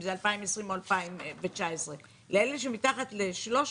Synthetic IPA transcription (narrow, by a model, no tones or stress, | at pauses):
mzealpaimesʁimoalpaimvet͡ʃaesʁe | leeleʃ̬emitaχatleʃlo̞ʃ